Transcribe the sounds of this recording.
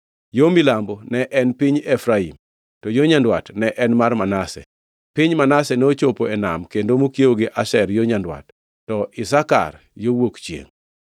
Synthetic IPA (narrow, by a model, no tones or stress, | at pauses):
jomilambonɛʔɛnpiɲɛfɾaim | tɔjoɲandwatnɛʔɛnmarmanasɛ̰ | pɪɲmanasɛnot͡ʃopoɛna̰mkendomokjeoɡɪʔaʃɛrjoɲandwa̰tː | ɔʔɪsaka̰r | jowokt͡ʃjḛŋ